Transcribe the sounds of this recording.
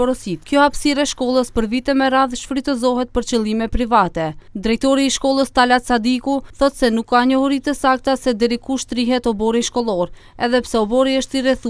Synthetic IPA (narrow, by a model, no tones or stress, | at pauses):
ɾɔsit̪kjɔhapsiɾɛʃkɔlˠəspəɾvit̪ɛmɛɾaðʃfɾit̪ɛzɔɦɛt̪̚pəɾt͡ʃəlˠimɛpɾivat̪ɛd̪ɾɛjt̪ɔɾiːʃkɔlˠəst̪alat͡sad̪ikuθɔt̪sɛnukːaɲəɔɾit̪əsak̚t̪asɛd̪ɛɾikuʃt̪ɾiɦɛt̪ɔbɔɾinʃkɔlˠɔɾ | ɛðɛpsɛɔbɔɾiəʃt̪iɾɛθu